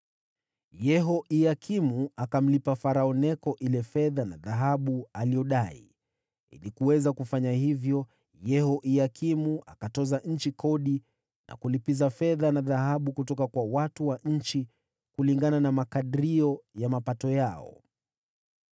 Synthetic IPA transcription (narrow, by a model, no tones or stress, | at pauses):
jɛɦɔʔiakʰimuakam̩lipafaɾaɔnɛkɔʔilɛfɛðana̰ðaɦaɓualijɔɗaḭ | ḭlikuwɛzakufaɲahivjɔ | jɛhɔʔiakimuʔakatɔzaɲ̩t͡ʃikʰɔɗi | nʔa̰kulipizafɛðanaðahaɓukutɔkakwawatuwaɲ̩t͡ʃi | kuliŋɡananamakaɗiɾiɔjamapatɔjaɔ̰